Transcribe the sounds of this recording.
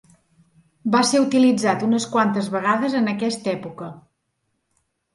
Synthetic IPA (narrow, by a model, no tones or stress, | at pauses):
baseɾut̪ilid͡zat̪unəskwant̪əzβəɣaðəzənəkɛst̪ɛpukə